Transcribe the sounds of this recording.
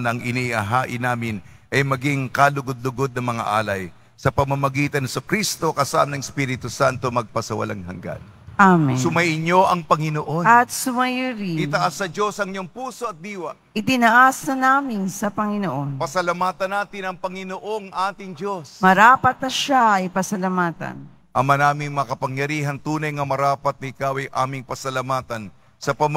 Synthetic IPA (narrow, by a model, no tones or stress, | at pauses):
nɐŋʔɪniɐɦaːʔɪnaːmɪnʔɐjmɐɡiŋkalʊɡod̪̚lʊɡo̞d̪̚nɐŋmɐŋa̰ʔa̰ːlɐj | sɐpɐmɐmɐɡiːt̪ɐnhsokɾist̪o̞kɐsa̰ʔmnɐŋspiɾɪt̪usant̪o̞mɐɡ̚pɐsɐwɐ̰lʔa̰ŋhɐ̰ŋɡa̰n | amɛsʊmɐjɪɲo̞ʔɐŋpɐŋɪnoʔonɐt̪sʊmɐjɾiɪnɐʔasːɐd͡ʒo̞sɐŋɲoŋpuːso̞ɐt̪̚d̪iːwɐ | ʔɪt̪ɪnɐʔasnɐnaːmɪnsɐpɐŋɪnoʔo̞npɐsɐlɐmaːt̪ɐnːaːt̪ɪnɐŋpɐŋɪnoʔo̞ŋʔaːt̪ɪŋd͡ʒo̞smɐɾaːpɐt̪̚nɐʃaɐjpɐsɐlɐmaːt̪ɐ̰n | ʔɐmanaːmɪŋmɐɐkɐpɐŋjɐɾiːɦɐnt̪uːnɐjŋɐmɐɾaːpɐt̪̚nɐɪkawɐjʔa̰ːmɪŋpɐsɐlɐmaːt̪ɐn | sɐpɐm